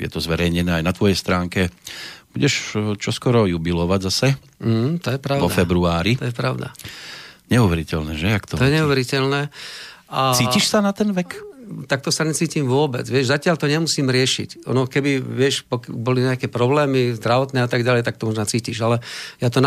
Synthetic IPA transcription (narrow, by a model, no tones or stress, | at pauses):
jɛ̰t̪ɔzʋɛɾɛjɲɛnɛːajnat̪ʋɔjɛjst̪ɾaːŋkɛb̥uɟɛʃt͡ʃɔskɔɾɔjubilɔʋaɟzasɛ | mm̩t̪ɔjɛpɾaɔafɛbɾuaːɾit̪ɔjɛpɾaʊd̪a̰ | ɲɛuʋɛɾicɛlnɛːʒɛakt̪ɔɔjɛɲɛuʋɛɾicɛlnɛːʔat͡siːciʃsanat̪ɛnʋɛkt̪ak̚t̪ɔsaɲɛt͡siːcimʋʊɔbɛ̰d͡zʋɪɛʒzacɪaʎt̪ɔɲɛmusiːmɾɪɛʃḭcɔ̰nɔkɛbiʋɪɛʃpɔkbɔliɲɛakɛpɾɔblɛːmizd̪ɾaʋɔt̪nɛːat̪aɡɟalɛjt̪ak̚t̪ɔmɔʒnat͡siːciʃalɛjat̪ɔna